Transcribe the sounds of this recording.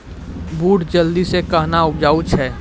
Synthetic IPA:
buːʈd͡ʒəld̪isekəɦnaʊbd͡ʒaːut͡ʃʰɛː

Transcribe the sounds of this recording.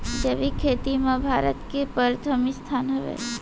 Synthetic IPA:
d͡ʒeʋikʰeːt̪imãbʱaːɾət̪kepəɾt̪ʰəmist̪ʰanɦəʋḛ

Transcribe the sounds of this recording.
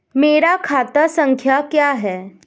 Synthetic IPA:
meɾakʰat̪asəŋkʰjakjaɦɛ

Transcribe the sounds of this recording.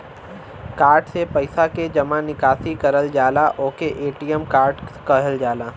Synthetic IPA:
kaːɾʈsepɐɪsaked͡ʒɐmãnɪkaːsikɐɾəld͡ʒaːlaʔoːkeʔeːʈijəmkaːɾʈkɐɦəld͡ʒaːlaː

